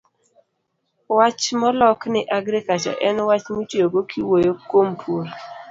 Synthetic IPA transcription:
wat͡ʃmɔlɔknɪʔaɡɾikat͡ʃɔ̰ʔɛnwat͡ʃmutioɡokʰiwojokompʰul

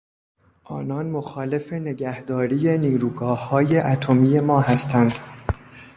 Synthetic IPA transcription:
ʔɒːnɒːnmoxɒːle̞fe̞ne̞ɡæhd̪ɒːɾiːje̞niːɾuːɡɒːhːɒːje̞ʔæt̪ʰo̞miːje̞mɒːhæst̪ʰænd̪̥

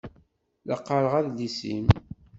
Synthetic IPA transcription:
lɑqːɑɾəʁæðlisḭm

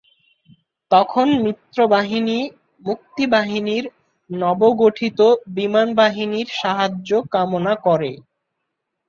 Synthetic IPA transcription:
t̪ɔkʰonmɾit̪ːɾobaɦini | muk̚t̪ibaɦiniɾ | nɔboɡoʈʰit̪obimanbaɦiniɾʃaɦad͡ʑokamonakɔɾe

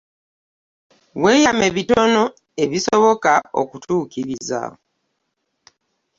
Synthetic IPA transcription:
weːjame̞βito̞no̞ | e̞βisoβo̞kao̰kutʰuːkiɾiza̰

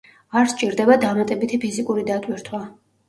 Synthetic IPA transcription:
aɾst͡ʃʼiɾd̪ɛbad̪amat̪ʼɛbit̪ʰipʰizikʼuɾid̪at̪ʼwiɾt̪ʰwa

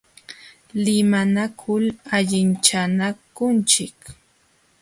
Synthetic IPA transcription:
lɪmanakʰʊlaʎɪnt͡ʃanakʊnt͡ʃɪk

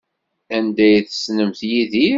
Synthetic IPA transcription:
ænd̪æjθə̥snəmθjiði

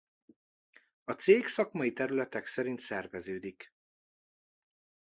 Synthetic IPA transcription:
ɒt̪seːksɒkmɒjit̪ɛɾylɛt̪ɛksɛɾint̪sɛrvɛzøːd̪ik

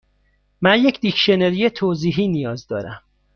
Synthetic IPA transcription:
mænjecʰd̪ikʰʃeneɾijet̪ʰoːziːɦiːnijɒːzd̪ɒːɾæm

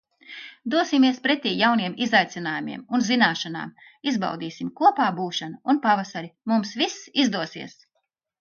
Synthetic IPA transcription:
d̪uɔsimiɛspɾɛt̪iːjawniɛmizajt̪sinaːjumḭɛmunzinaːʃana̰ːm | izba̰wd̪iːsimkuɔpaːbuːʃanuunpavasaɾimumsvisizd̪uɔsḭɛs

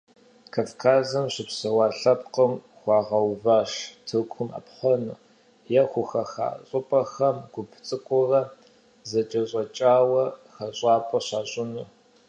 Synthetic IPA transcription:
kʰaːfkʰaːzɐmɕɪpsɐwɑːɬɐp̚qʼəm | χʷɑːʁɐwvaːʂtʰɨkʷʰʊma̰pħɐnṵː | jɛχʷʊxɐxa̰ːɕʼʊpʼɐxɐmɡ̥ʷʊpʰt͡sʼɨkʷʰʼʊrɐ | zɐt͡ʃʼɐɕʼɐt͡ʃʼaːwɐxɐɕʼɑːpʼɐɕaːɕʼɪnuː

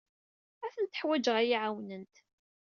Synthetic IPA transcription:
æθənt̪ə̥ħwæd͡ʒəʁæjiʕawnənt̪

